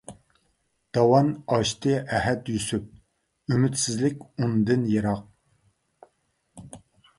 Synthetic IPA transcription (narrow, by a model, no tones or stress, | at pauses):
d̪̥ɑwɑnɑʃt̪ʰɨæɦɛt̪jysyp̚ | ymyt̪sɪzlɪkʲund̪ɨnjeɾɑq̚